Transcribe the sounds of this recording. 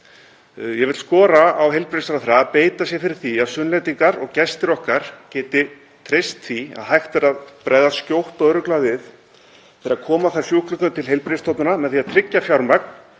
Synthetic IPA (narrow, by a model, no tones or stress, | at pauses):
jɛɣvɪt̪lskɔːɾaawɦejlpɾejsaɾaθɾaaðpeːjt̪asjɛfɪɾɪɾ̥θiaðsʏnlajt̪iŋkaɾɔɣcɛst̪ɪɾɔhkaɾ̥cɛːt̪ɪ | t̪ʰɾest̪θia̰ðhajxt̪vɛɾaðpɾaːjðascowht̪ɔɣœːɾʏklavɪð | fɪɾaðkʰɔːmaθaɾ̥fjuhklʏk̪ʏnt̪ʰɪlɦejlpɾest̪ɔt̪nʏnamɛðθiaðt̪ʰɾɪcːafjawɾmakn̥